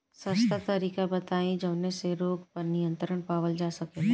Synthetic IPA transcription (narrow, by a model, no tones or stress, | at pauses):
səst̪ʰat̪ɐɾiːkabɐt̪aːẽd͡ʒəʋneseɾoːɡpɐɾnijə̃nt̪ɾəɽ̃paːʋəld͡ʒaːsɐke